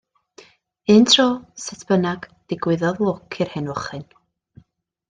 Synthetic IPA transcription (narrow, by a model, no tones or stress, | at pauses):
ɨntʰrɔːsɛtʰb̥ənaɡ̥d̥ɪɡwɪðɔðwoːkʰɪrhɛnɔχɨn